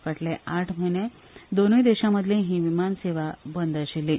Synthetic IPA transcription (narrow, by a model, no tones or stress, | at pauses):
kaʈleʔaʈʰm̤ənẽ | d̪onəjd̪eɕaməd̪ʱlẽɦĩʋimanseʋabənd̪əɕili